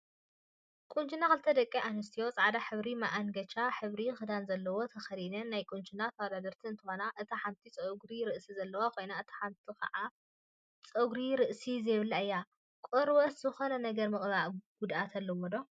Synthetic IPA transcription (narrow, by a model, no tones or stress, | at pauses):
kʼunt͡ʃʼinakɨlt̪ʰɐd̪ɐkʼːiʔanɨs̬t̪ʰijo̞t͡sʼʕad̪aħɨβɾimaʔaŋɡɐt͡ʃʼaħɨβɾixɨd̪anzɐlːɐwo̞t̪ʰɐxɐɾinɐnːajkʼunt͡ʃʼunat̪ʰwad̪ad̪ɐɾt̪ʰiɨnt̪ʰɨxo̞naʔɨt̪ʰaħant̪ʰit͡sʼɐɡɾiɾɨʔsizɐlːɐwakʰo̞jnaɨt̪ʰḁħant̪ʰikɐ̰ʕa | t͡sʼɐɡɾiɾɨʔsizɐβɨlːaɨjːa | kʼoɾwɐszɨxonɐnɐɡɐɾmɨχʼβaʕɡ̥ud̪ʔat̪ʰɐlːɐwod̪o